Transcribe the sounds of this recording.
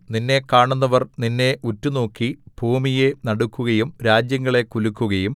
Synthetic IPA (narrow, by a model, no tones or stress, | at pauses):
ninːe̞kaːɳunːɐʋɐrninːe̞ʔutːuno̞ːkːibʱuːmije̞nɐɽukːuɣɐjumɾaːd͡ʑjɐŋːɐɭe̞kulukːuɣɐjum